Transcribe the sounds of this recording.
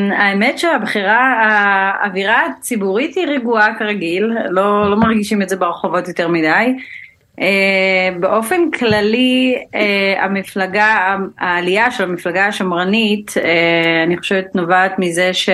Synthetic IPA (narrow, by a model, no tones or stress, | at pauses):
aemetʃeabχiʁaaːviʁat͡sibuʁithiʁeɡuakaʁaɡilːolo̞maʁɡiʃimetzebeʁeχovotjote̞ʁmidaj | ebeʔo̞fe̞nkʰlaliea̰miflaɡaaːliaʃelamiflaɡaaʃomʁaniteaniχo̞ʃevet̪novaːt̪mizeʃe